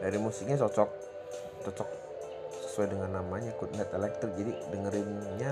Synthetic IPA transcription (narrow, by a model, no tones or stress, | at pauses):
daɾimusɪk̚ɲat͡ʃɔt͡ʃɔk̚ | t͡ʃɔt͡ʃɔk̚ | sə̥suajdəŋanːamaɲakut̪̚nɛt̪elɛk̚t̪ərd͡ʒadidəŋəɾɪnɲa